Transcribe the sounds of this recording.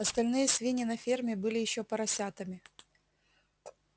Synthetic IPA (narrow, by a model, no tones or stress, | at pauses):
ɐst̪ɐlʲnɨjəsʲvʲinʲɪnɐfʲermʲɪbɨlʲɪjɪɕːopɐɾɐsʲat̪ɐmʲɪ